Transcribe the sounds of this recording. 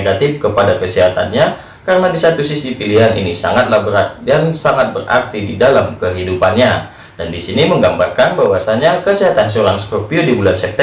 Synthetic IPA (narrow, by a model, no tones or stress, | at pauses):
ɡat̪ɪfkəpadakəsiɦat̪a̰nɲa | kaɾənadisat̪usisipiliɦanḭnisa̰ŋat̪̚lahbəɾat̪jaŋsaŋat̪̚bəra̰rt̪ididalamkəɦidupanɲa | d̥andisiniməŋɡambarkanbawasaɲakəsiɦat̪ansoɾanskopiodibulansɛp̚t̪ɛ